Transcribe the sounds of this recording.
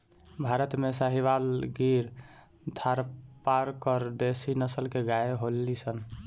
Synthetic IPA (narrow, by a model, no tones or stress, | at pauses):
bʱaɾət̪mesaɦiβalɡiɾ | d̪ʱʰaɾpaɾkəɾd̪esinəsəlkeɡaeɦolːisən